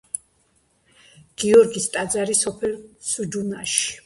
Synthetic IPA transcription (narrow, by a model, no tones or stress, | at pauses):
ɡ̥iɔɾɡist̪ʼad̪zaɾisɔpʰɛlsud͡ʒunaʃi̥